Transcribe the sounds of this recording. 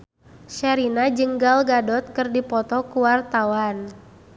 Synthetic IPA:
ʃaɾinad͡ʒəŋɡalɡadɔt̪̚kɨrdipɔt̪ɔkuwart̪awan

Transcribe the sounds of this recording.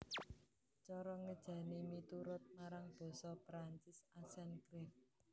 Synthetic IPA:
t͡ʃɔɾɔŋəd̥ʒ̥ä̤nimit̪uɾʊt̪̚maɾaŋb̥ɔ̤sɔpɾaɲt͡ʃɪsasɛnkɾɛk̚

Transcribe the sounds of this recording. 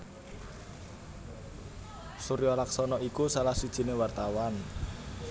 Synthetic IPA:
suɾijɔlaksɔnɔʔikusalahsud̥ʒ̥i̤newart̪awan

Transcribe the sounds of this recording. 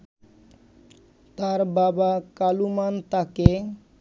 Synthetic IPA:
t̪aɾbabakalumant̪ake

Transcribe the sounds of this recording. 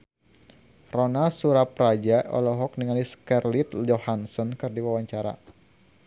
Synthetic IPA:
rɔnasuɾap̚rad͡ʒaʔɔ̰lɔɦɔk̚niŋaliskɛrlit̪d͡ʒɔhansɔnkɨrdiwawaɲt͡ʃaɾa̰

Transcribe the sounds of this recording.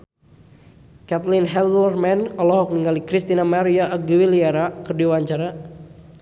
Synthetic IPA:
kat̪linɦɛlɔrmɛnɔlɔɦɔk̚niŋɡalikɾist̪inamaɾiaːɡiwiliaɾakɨrdiwaɲt͡ʃaɾa

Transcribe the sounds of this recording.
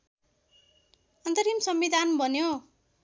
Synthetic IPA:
ʌnt̪ʌɾimsʌmbid̪ʱanbʱʌnjo

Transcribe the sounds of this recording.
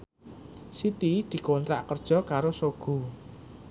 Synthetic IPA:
sit̪id̪̥i̤kont̪ɾa̰ʔkərd̥ʒ̥ɔ̤kaɾosoɡ̥ṳ

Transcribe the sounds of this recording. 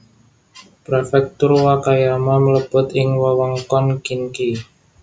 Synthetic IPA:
pɾefɛk̚t̪ʊrwakajamamələb̥ʊ̤t̪ɪŋwɔwɔŋkɔnkinki

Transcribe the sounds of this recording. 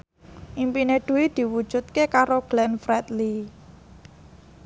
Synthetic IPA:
ʔimpineɖ̥ṳwid̪̥i̤wud̥ʒ̥ṳt̪̚kekaɾoɡ̥lɛnfɾɛt̪li

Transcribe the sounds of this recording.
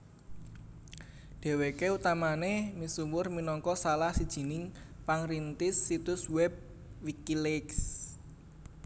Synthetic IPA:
ɖ̥e̤wekeut̪amanemisumʊrminɔŋkɔsalahsid̥ʒ̥i̤nɪŋ | paŋɾint̪ɪsːit̪ʊswɛb̚ | wikilɪks

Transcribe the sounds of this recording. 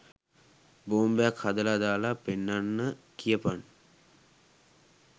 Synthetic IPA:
boːmbejakhad̪əlad̪aːlapenːanːəkijəpan

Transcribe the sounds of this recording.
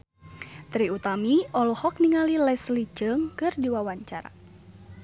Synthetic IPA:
t̪ɾiut̪amiɔlhɔk̚niŋalilɛslit͡ʃəŋkɨrdiwawaɲt͡ʃaɾa̰

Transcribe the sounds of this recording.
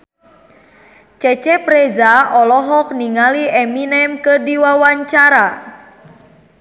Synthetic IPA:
t͡ʃɛt͡ʃɛpɾɛd͡ʒaʔɔlɔɦɔk̚niŋaliʔɛminɛmkədiwawaɲt͡ʃaɾa

